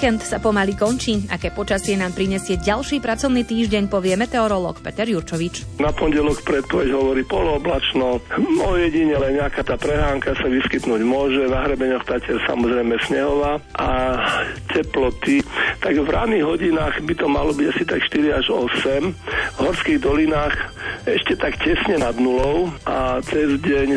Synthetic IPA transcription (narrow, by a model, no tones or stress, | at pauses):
kɛnt̪sapɔmalikɔnt͡ʃiːʔa̰kɛːpɔt͡ʃasɪɛnaːmpɾiɲɛsɪɛɟalʃiːpɾat͡sɔʊniːt̪iːʒɟɛɲpɔʋɪɛmɛt̪ɛɔɾɔlɔ̰ːkpɛt̪ɛɾjuɾt͡ʃɔʋit͡ʃnapɔnɟɛlɔkpɾɛt̪̚pɔʋɛɟɦɔʋɔɾiːpɔlɔɔblat͡ʃnɔɔjɛɟiɲɛlɛnɲɛakaːt̪aːpɾɛɦaːŋkasaʋiskit̪nuːɟmʊɔʒɛnaɦɾɛbɛɲɔxt̪acɛsa̰mɔzɾɛjmɛsɲɛɦɔʋaːʔa | cɛplɔt̪it̪aɡvɾa̰ːd̪niɣɦɔɟinaːɣbit̪ɔmalɔbiɟasit̪akʃt̪iɾiaʒɔ̰sɛmvɦɔɾskiɣd̪ɔlinaːxɛʃcɛt̪akcɛsɲɛnad̪nulɔʊʔat͡sɛzɟɛɲ